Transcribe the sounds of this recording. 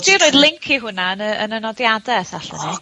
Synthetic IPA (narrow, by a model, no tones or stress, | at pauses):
diːɾoːɨðlˠɪŋkʰiɦʊnaənəənənɔdjadɛsaɬə̰ni